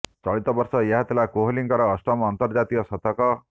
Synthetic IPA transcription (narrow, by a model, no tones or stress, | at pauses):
t͡sʌɭit̪ʌbʌrsʌjaɦat̪elakoɦliŋkʌɾʌːsʈʌmːnt̪ʌrd͡zat̪ijʌsʌt̪ʌkʌ